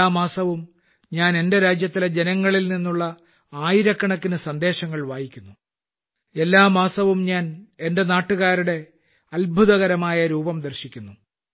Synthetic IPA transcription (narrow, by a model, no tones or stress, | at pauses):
aːmaːsɐʋum | ɲaːne̞nde̞ɾaːd͡ʑjɐt̪ːiled͡ʑenɐŋːɐɭilninːuɭːɐ | aːjiɾɐkːɐɳɐkːinɨsɐnd̪e̞ːɕɐŋːɐɭʋaːjikʲːunːu | e̞lːaːmaːsɐʋumɲaːne̞nde̞naːʈːuɣaːɾuɽe̞ | ɐlbʱuðɐɣɐɾɐmaːjɐɾuːbɐmd̪ɐrɕikʲːunːu